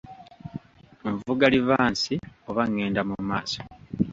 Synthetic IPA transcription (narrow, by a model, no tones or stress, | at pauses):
ɱvuɡalivaːnsioβaŋːe̞ːndamumaːso̥